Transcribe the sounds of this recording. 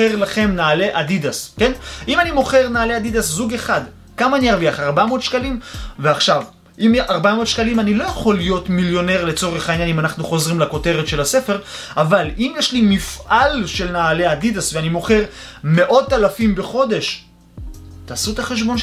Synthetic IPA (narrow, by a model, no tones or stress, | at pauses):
eʁlaχe̞mnaːle̞ʔad̪id̪aske̞nʔimanimo̞χe̞ʁnaːleadid̪aszuɡeχad̪ | kamaniaʁviaχaʁbamo̞ːd̪ʃkalimveaχʃav | imʔaʁbamo̞ːd̪ʃkalimanilo̞jaχo̞lːijo̞t̪miljo̞ne̞ʁle̞t͡so̞ʁeχainjanimanaχnuχo̞zʁimlako̞te̞ʁet̪ʃe̞lase̞fe̞ʁavalimjeʃlimifʔalʃe̞lnaːle̞ad̪id̪asveanimo̞χe̞ʁ | me̞ʔo̞t̪ːalafimbe̞χo̞d̪e̞ʃ | t̪aːsuet̪aχeʃ̬bo̞n